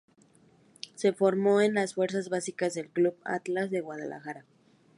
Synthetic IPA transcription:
se̞fo̞ɾmo̞enlasfwe̞ɾs̬azβasikazðe̞lkluβa̰t̪lazðeɣwað̞a̰lʔa̰xaɾa

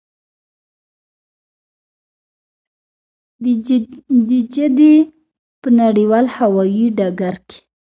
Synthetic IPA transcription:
d̪əd͡ʒad̪e | pənaɽiwɑlhawɑjiɖaɡaɾke̥

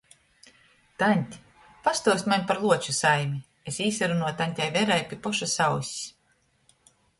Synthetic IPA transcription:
t̪anʲt̪ʲi̥ | past̪uɔst̪manʲpaɾlˠuɔt͡ʃusajmʲi | esiːsaɾunuɔt̪anʲt̪ʲajvɛɾajpʲipɔʃasawsʲi̥s

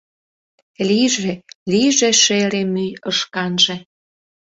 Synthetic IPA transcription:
liʒeliʒeʃeɾemyjəʃkɑnʒe

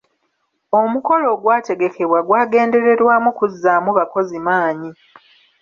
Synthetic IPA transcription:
o̞muko̞lo̞ːɡwaːte̞ɡe̞ke̞βwaɡwaːɡe̞ːnde̞ɾe̞ɾwaːmukuzːaːmuβako̞zimaːɲi

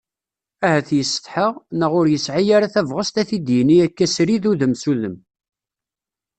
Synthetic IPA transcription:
æhæθjəsːə̥t̪ħəʁnəʁʊɾjəsʕijaɾaθævʁəst̪æθid̪jəniækːæsɾiðuðəmsuðəm

